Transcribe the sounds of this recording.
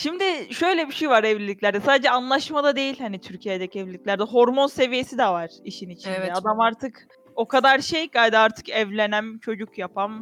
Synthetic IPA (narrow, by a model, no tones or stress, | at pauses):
ʃimd̪ɪʃø̞jlʲɛbiʃejvaɾɛvlʲilʲicʲlʲæɾd̪ɛsaːd̪ed͡ʒɛanlˠaʃmad̪ad̪e̞jilʲhanit̪ʰyɾcʰijed̪ɛcʰiɛvlʲilːʲiclʲæɾd̪ɛɦo̞ɾmo̞nse̞vije̞sid̪ɛvaɾ̥iʃinit͡ʃʰinɛad̪amaɾt̪ʰɯk | o̞kad̪aɾʃejɡajd̪ɛaɾt̪ʰɯ̥kɛvlʲe̞næmt͡ʃʰo̞d͡ʒukjapʰam